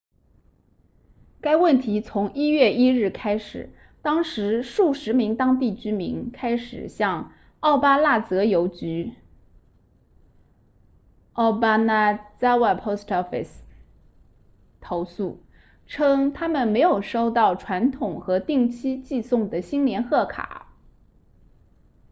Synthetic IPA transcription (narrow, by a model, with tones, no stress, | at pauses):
ka˥ɪwə˥˩nt̪ʰi˧˥t͡sʰʊ˧˥ŋi˥ɥɛ˥˩i˥ɻɻ̩˥˩kʰa˥ɪʂɻ̩˨˩˦ | t̪ɑ˥ŋʂɻ̩˧˥ʂu˥˩ʂɻ̩˧˥mi˧˥ŋt̪ɑ˥ŋt̪̬i˥˩t͡ɕy˥mḭ˧˥ŋkʰa˥ɪʂɻ̩˨˩ɕjɑ˥˧ŋ | ɑ˥˩ʊpa˥la˥˩t͡sɤ˧˥jo˧˥ʊt͡ɕy˧˥ | ɑ˥˩ʊpa˥na˥˩t͡sa˥ɪwa˥˩ɪpʰo˥ʊstʰɔ˥fḭ˥˩s | t̪ʰo˧˥ʊsu˥˩ | ʈ͡ʂʰɤ˥ŋt̪ʰa˥mə˨nme˧˥ɪjo˨˩ʊʂo˥ʊt̪ɑ˥˩ʊʈ͡ʂʰwa˧˥nt̪ʰʊ˨˩ŋxɤ˧˥t̪i˥˩ŋt͡ɕʰi˥t͡ɕi˥˧sʊ˥˩ŋd̪ə˩ɕi˥nljɛ˧˥nxɤ˥˩kʰa̰˨˩˦